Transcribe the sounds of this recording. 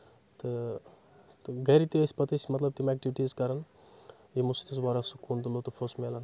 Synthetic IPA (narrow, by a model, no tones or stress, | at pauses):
t̪ɨ | t̪ɨɡɐɾit̪isʲpɐt̪isʲmɐt̪lɐb̚t̪imɛːk̚ʈiʋʈizkɐɾɐn | jimusu̥t̪is̬ʋaːɾasukunt̪̬ulot̪ufʰosmeːlɐn